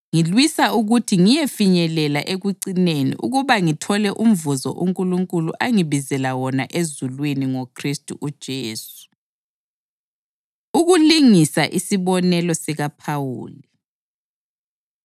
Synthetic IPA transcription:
ŋilwisauɣutʰiŋijefiɲɛlɛla̰ʔeɣuǀinenḭʔṵɣuβaŋitʰɔlɛʔum̩vuzɔ̰ʔuŋkʼuluŋkʼuluʔaŋiβizɛlawɔnaʔezulwiniŋokʰristʼṵʔud̥ʒ̥ʱeːsu̥ | uɣuliŋisaʔisiβɔnɛlɔsiɣapʰawṵːli

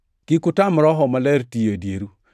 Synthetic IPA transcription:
kɪkʊtamɾɔɦɔmalɛɾtiadjeɾu

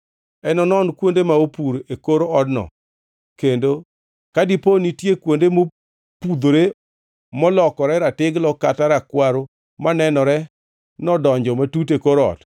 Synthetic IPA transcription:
ɛnɔnɔnkwondemaopuɾekoɾoɔdnɔ̰ | kendo | kadiponitjekwondemo | pud̪oɾe | mɔlɔkɔɾɛɾatɪɡlɔkataɾakwaɾo | manɛnɔɾɛ | nɔdɔɲd͡ʒɔmatut̬ekoɾoɔ̰d

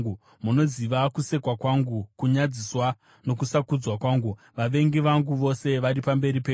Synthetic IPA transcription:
u | muno̞ziʋakuse̞kwakwaŋɡukuɲad͡ziswa | no̞kusakud͡zwakwaːŋɡu | ʋaʋe̞ŋɡiʋaŋɡuʋo̞se̞ʋaɾipambe̞ɾipe

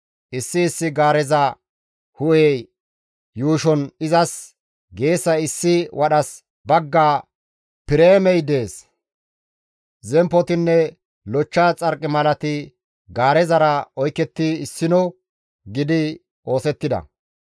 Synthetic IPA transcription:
ʔɪsːɪːsːɪɡaːɾɛzɐ | hʊʔe | juːʃɔnɪzɐs | ɡe̞ːsːɐɪsːɪwʔɐɗɐs | bɐɡːaː | pɪɾeːmɛjd̪e̞ːs | zɛmpɔt̪ɪnːɛ | lɔt͡ʃːaːt͡sʼɐɾkʼːɪmɐlɐt̪ɪ | ɡaːɾɛzɐɾɐɔjkːɛt̪ːɪɪsːɪnɔw | ɡɪd̪ɪ | ʔo̞ːsɛt̪ːɪd̪ɐ̰

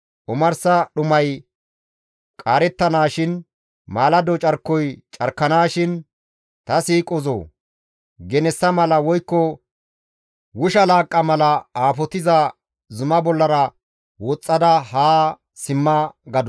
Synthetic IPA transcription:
ʔʊmɐɾsɐɗʊmɐj | kʼaːɾɛt̪ːɐnaːʃɪn | maːlɐd̪ɔt͡ʃʼɐɾkːɔjt͡ʃʼɐɾkːɐnaːʃɪn | t̪ɐsiːkʼɔzo̰ː | ɡɛnɛsːɐmɐlɐwɔjkːɔ | wʊʃɐlaːkʼːɐmɐlɐaːfɔt̪ɪzɐ | zʊmɐbɔlːɐɾɐ | wɔt͡sʼːɐd̪ɐhaː | sɪmːɐɡɐd̪ɔ

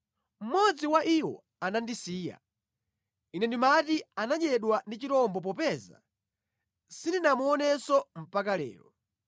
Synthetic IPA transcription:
m̩mɔd͡ziwaʔiwɔ̰ | anandisiːja̰ | inɛndimatianaɲɛɗwandit͡ʃiɾɔmbɔp̬ɔpɛza̰ | sindinamuɔnɛsɔm̩pakalɛ̰ːlɔ

